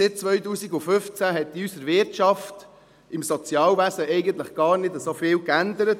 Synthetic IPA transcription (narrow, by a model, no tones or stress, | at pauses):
sɪt̚t͡sʋœʏɥtuːsiɡʊfʏft͡sæɦɛtːiysəɾʋɪɾtʃɑft | ɪmsɔt͡sjɑːlʋæsəʔɛɪɡənt̪ləχɡ̥ɑːɾnɪdəsoːfɪːlkænd̪əɾət